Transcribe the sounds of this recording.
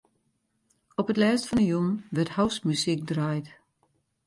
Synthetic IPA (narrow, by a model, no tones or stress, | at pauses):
ɔpətlɛːstfɔnəjunʋɛrthawsmysik̚drajt